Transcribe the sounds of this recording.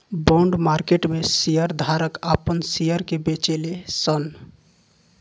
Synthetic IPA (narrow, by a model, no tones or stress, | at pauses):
bɔɳɖmaɾkeʈmesijəɾd̪ʱaɾəkapənsijəɾkebet͡ʃelesən